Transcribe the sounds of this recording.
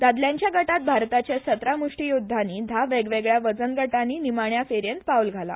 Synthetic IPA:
d̪ad̪ljaɲt͡ɕjaɡəʈat̪̚bʱaɾt̪at͡ɕjasət̪ɾamuʂʈijud̪ʱːaniːd̪ʱaʋeɡʋeɡɭjaʋəd͡zənɡəʈaniːnimaɳjafeɾjent̪paulɡʱala̰

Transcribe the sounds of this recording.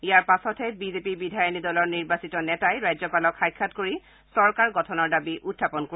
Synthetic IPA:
ijaɹpasɔtʰɛbizepibidʱajɔnidɔlɔɹniɹbasitɔnɛtajɹajzɔpalɔkʰːajkʰːatkoɹi | sɔɹkaɹɡɔtʰɔnɔɹdabiʔutʰːapɔnko

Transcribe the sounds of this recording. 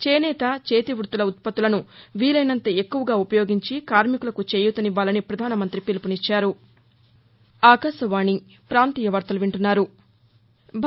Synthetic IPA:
t͡ʃeːnɛːt̪ɐt͡ʃeːt̪iʋɾut̪ulɐut̪̚pɐt̪ːulɐnuʋiːlɐjnɐnt̪ɐekːuʋɐɡaːupɐjo̞ːɡiɲt͡ʃikaːɾmikulɐkut͡ʃeːjut̪ɐniʋaːlɐnipɾɐd̪ʱaːnɐmɐnt̪ɾipilipunit͡ʃːaːɾu | aːkɐsɐʋaːni | pɾaːnt̪iːjɐʋɐɾt̪ɐluʋiɳʈunːaːɾu | bʱ

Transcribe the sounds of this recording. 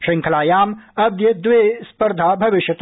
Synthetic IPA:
ʃɪ̃ŋkʰɐlaːjaːmɐb̚d̪jɐd̪ʋespɐɾd̪ʱaːbʱɐʋɪʃjɐt̪

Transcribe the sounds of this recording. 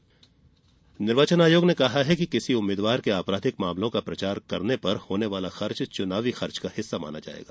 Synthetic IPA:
nɪɾʋət͡ʃənaːjoːɡnekɐɦaɦɛkikɪsiʊmːeːd̪ʋaːɾkeaːpɾaːd̪ʱɪkmaːmlõkapɾɐt͡ʃaːɾkɐɾnepɐɾhoːneʋaːlaxɐɾt͡ʃt͡ʃʊnaːʋixɐɾt͡ʃkahɪsːama̰ːna̰d͡ʒa̰ːḛːɡaː

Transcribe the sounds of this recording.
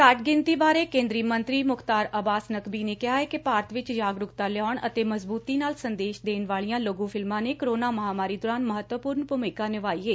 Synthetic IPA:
kaʈɡɪnt̪iːbaːɾeːkẽːnd̪ɾiːmənt̪ɾiːmʊkt̪aːɾəbaːsnəkbiːneːkɪɦaːɦɛːkɪpaːɾt̪ʋɪt͡ʃd͡ʒaːɡɾʊkt̪aːlɪɔːɳə̰t̪eːməzbuːt̪iːnaːlsənd̪eːʃd̪eːnʋaːlijãːloːɡũːpʰɪlmãːneːkəɾoːnaːməɦaːmaːɾiːd̪ɔːɾaːnməɦət̪ʋəpʊːɾnpʊmɪkaːnɪʋaːieː

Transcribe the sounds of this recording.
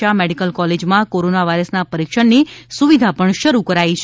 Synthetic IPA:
ameɖikəlkɔled͡ʒmãkoɾonaʋajɾəsnapəɾikʃəɳnisuʋid̪ʱapəɳʃəɾukəɾait͡ʃʰ

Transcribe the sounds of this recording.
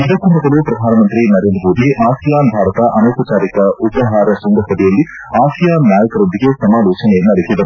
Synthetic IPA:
id̪ɐkumɐd̪ɐlupɾɐd̪ʱaːnɐmɐnt̪ɾinɐɾe̞ːnd̪ɾɐmoːd̪iʔaːsijaːnbʱaːɾɐt̪ɐʔɐnoːkɐt͡ʃaːɾikɐupɐɦaːɾɐsuŋɡ̪ʱɐsɐd̪ijɐlːi | aːsijaːnːaːjɐkɐɾond̪iɡesɐmaːloːt͡ʃɐnejɐnːɐɾikid̪ɐ

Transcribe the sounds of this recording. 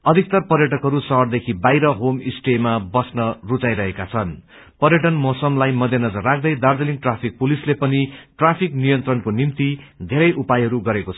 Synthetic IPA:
ʌd̪ʱik̚t̪ʌrpʌrjʌʈʌkɦʌɾusʌɦʌrd̪ekʰibajɾʌɦomisʈemabʌsnʌrut͡sajɾʌɦekat͡sʰʌn | pʌɾjʌʈ̬ʌnmʌsʌmlajmʌd̪ʱjenʌd͡zʌrːak̚ʰd̪ʌjd̪ard̪ʌliŋʈrapʰik̚pulislepʌniʈrapʰiknijʌnt̪rʌnkonimt̪id̪ʱeɾʌjʔupajɦʌɾuɡʌɾekot͡sʰʌ

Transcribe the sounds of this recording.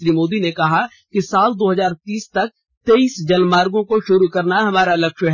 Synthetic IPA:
ɾimoːd̪inekɐɦa | kisaːld̪oːɦɐzaːɾt̪iːst̪ɐk̚ | t̪eiːsd͡ʒɐlmːaːɾɡõkoʃʊɾukɐɾnaɦɐmaːɾalɐkʃɦ

